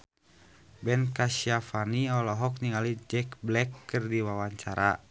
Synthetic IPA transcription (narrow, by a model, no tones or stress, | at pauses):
bɛnkasiafaniɔlɔɦɔk̚niŋalid͡ʒɛkblɛkːɨrdiwawaɲt͡ʃaɾa